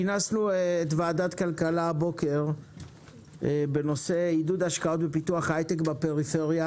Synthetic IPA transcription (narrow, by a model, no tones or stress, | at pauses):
nasnuetvaːdat̪kalkalabo̞ke̞ʁ | be̞no̞se̞idud̪aʃkao̞t̪be̞pituaχajt̪ekbape̞ʁife̞ʁja